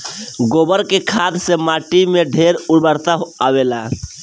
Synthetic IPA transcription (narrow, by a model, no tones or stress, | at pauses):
ɡobəɾkekʰaːd̪semaʈimeɖʱeɾubəɾt̪aɦawela